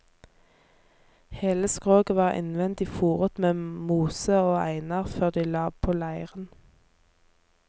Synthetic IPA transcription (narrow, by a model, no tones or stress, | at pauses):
heːləskʁoːɡəʋɑːʁʔɪ̰nʋɛnt̪iːfuːʁət̪meːmuːsəoːæ̰ɪnɑʁføːʁd̪iːlɑːpʰoːlæɪəʁən